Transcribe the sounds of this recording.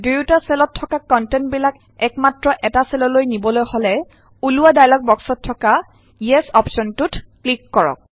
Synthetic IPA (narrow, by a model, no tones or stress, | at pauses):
dujtasɛlɔtʰːɔkakːɔntɛntbilak | ɛkmatɹɔʔɛtasɛlɔlojnibɔlojhɔlɛ | uluwadajlɔk̚bɔksɔtʰːɔka | jɛsɔpsɔntutklikːɔɹɔ̰k̚